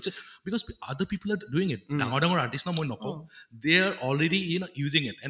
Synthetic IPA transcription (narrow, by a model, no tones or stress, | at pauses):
sɛbikɔzad̪əpipəlaɹduĩŋɪt̚daŋɔɹdaŋɔɹaɹtisnɔmojnɔkɔʊ̃d̪eaɹʔɔlɹeɾiinjuzĩŋitɛ̃n